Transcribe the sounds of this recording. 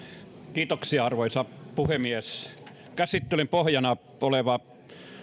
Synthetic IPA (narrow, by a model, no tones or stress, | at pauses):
kiːt̪oksiɑɑrʋoisɑpuhemies | kæsit̪ːelympohjɑnɑ | oleʋɑ